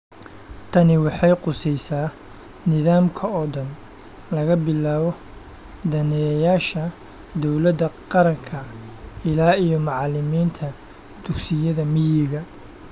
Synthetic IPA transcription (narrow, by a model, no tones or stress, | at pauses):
t̪ʰɐnɪwɑħɑjqʊsɛjsaː | nɪðaːmkʰɐɔd̪ɐn | lɐɣɐbɪlːaːβɔ | d̪ɐnɛjɐjaːʃɐ | d̪ɔwlɐd̪ːɐqɑɾɐŋkʰɐɪlaːijɔmɑʕɑlɪmiːnt̪ʰɐ | d̪̥ʊɡsɪjɐðɐmɪjɪɣɐ